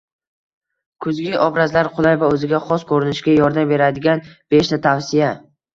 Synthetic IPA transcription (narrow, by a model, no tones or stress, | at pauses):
kʰʊzɡʲɪʔɒbɾazlaɾqʰʊlˠajvaɵzɪɡʲaχɒskʰɵɾɪnɪʃɡʲajɒɾd̪ambe̞ɾad̪ɪɡʲanb̥e̞ʃt̪ʰat̪ʰawsɪja